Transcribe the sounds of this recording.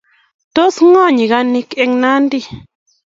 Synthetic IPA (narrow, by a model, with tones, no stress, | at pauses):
t̪o˦sŋɔ̃˦˨ɲĩ˨ɣa˧nĩ˧ke˧ŋnã˦nd̪i˧˨